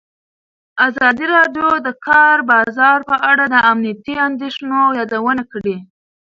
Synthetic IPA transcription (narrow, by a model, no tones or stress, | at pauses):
azɑd̪iɾɑɖjod̪əkʰɑɾbɑzɑɾpəʔaɽad̪əamnijat̪iand̪eʃnojɑd̪awənakɽi